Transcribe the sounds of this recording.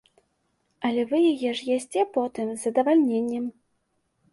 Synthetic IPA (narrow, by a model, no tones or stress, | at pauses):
ɐlʲɛvɨjajɛʂjɛsʲt͡sʲɛpɔt̪ɨmzɐd̪ɐvalʲnʲenʲːɛm